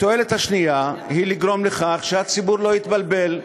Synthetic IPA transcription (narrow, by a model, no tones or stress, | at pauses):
t̪oe̞let̪haʃnijahiliɡʁo̞mleχaχʃeat͡sibuɾlo̞it̪balbe̞l